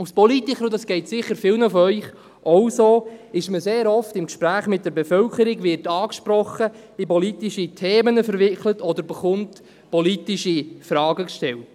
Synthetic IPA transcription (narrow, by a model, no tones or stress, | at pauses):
uspɔlitikʰχəɾʊdɑsɡ̥ɛɪtsɪχːəɾfɪlnəfɔœʏχ | ʔɔwsoːɪʃməseːɾɔftɪmkʃpɾæːχmɪt̚d̥̪əɾbefœlkʰəɾiɡʋɪrtɑːkʃpɾɔχə | ipɔlitiʃitʰeːmənəfəɾʋɪklətɔd̪əɾbəχʊnt | pɔlitiʃifɾɑːɡəkʃtɛlt